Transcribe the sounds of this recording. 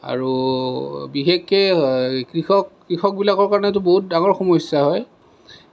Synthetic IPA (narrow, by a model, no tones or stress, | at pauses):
a̰ɹu | bixekːɛkɹixɔkː | ɹixɔk̚bilakɔɹkaɹɔnɛtʊboɦut̚daŋɔɹxɔmɔsːaɦɔj